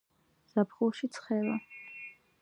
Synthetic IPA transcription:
z̥apʰχulˠʃit̪sʰχɛla

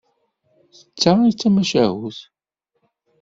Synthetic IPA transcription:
θə̥t͡sːait͡sːæmæʃæɦuθ

